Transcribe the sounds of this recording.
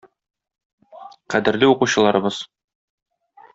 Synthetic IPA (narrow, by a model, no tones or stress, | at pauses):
qæd̪ɘ̆ɾlɘuquɕɤ̆lˠɑɾɤ̆bɤz̥